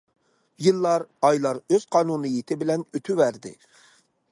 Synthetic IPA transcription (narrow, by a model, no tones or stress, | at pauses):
jɨlˠːɑɾɑjlˠɑɾøz̥qʰɑːnunɨjit̪ʰɪbɪlɛnøt̪ʰyvæɾd̪ɪ̰